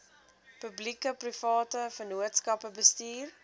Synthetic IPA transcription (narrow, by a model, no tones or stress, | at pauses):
pəblikəprifɑːtəfənuətskɐpəbəstiːr